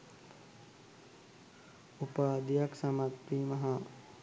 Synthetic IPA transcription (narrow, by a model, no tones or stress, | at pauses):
upaːd̪ijaksɐmat̪ɾiːmɐɦɐ